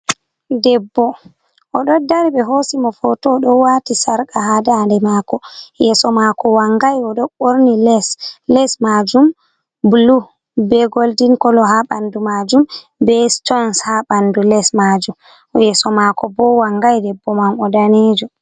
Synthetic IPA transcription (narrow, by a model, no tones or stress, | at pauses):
dɛbːɔ | ʔɔɗɔdaɾiɓɛɦosimɔfɔtɔɗɔwatisaɾkaɦadandɛmakɔjɛsɔmakɔwaŋɡajɔɗɔɓoɾnilɛslɛsmad͡ʒum | bulu | bɛɡoldinkɔlɔɦaɓandumad͡ʒum | bɛstɔnshaɓandulɛsmad͡ʒum | jɛsɔmakɔbɔwaŋɡajdɛbːɔmamɔdaneːd͡ʒɔ